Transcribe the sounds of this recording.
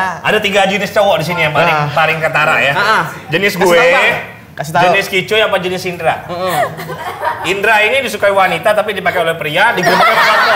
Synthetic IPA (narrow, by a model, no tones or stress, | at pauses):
adat̪iɡad͡ʒənɪst͡ʃowɔʔdis̬inipaɾɪŋpaɾɪŋkət̪aɾa̰ʔja | d͡ʒənɪsɡue | kasd͡ʒd͡ʒənɪskit͡ʃʊjapad͡ʒənɪsindɾa | indɾainidisukaiwanit̪at̪apidipakajolɛhpəɾiadiɡumukamasat̪